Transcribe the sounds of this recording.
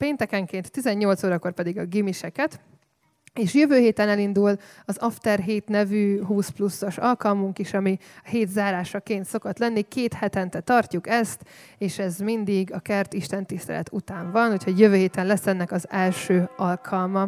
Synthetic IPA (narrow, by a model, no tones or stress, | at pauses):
peːnt̪ɛkɛŋkeːnt̪ːizɛɲːo̞lt̪soːɾɒko̞rpɛd̪iɡɒɡimiʃɛkɛt̪ | eːʃjøvøːɦeːt̪ɛnɛlind̪ulɒzɒft̪ɛrɦeːt̪nɛvyːɦuːsplusːo̞ʃɒlkɒlmuŋkiʃɒmiheːt̪zaːɾaːʃɒkeːnt̪so̞kot̪lɛnːikeːt̪hɛt̪ɛnt̪ɛt̪ɒrcukɛst̪eːʃɛzmind̪iɡɒkɛrt̪iʃt̪ɛnt̪ist̪ɛ̰lɛ̰t̪ut̪aːɱvɒnhucho̞ɟjøvøːɦeːt̪ɛnlɛsːɛnːɛkɒzɛlʃøːɒlkʰɒlmɒ